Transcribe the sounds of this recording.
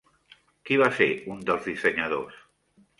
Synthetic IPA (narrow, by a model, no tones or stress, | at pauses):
kiβaseɾund̪əlzðiseɲaðos